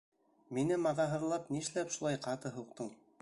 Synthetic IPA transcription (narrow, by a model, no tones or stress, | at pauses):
minɘmɑðɑɦɤ̆ðlˠɑpniʃlæpʃulˠɑjqɑt̪ɤɦuq̚t̪ɤɴ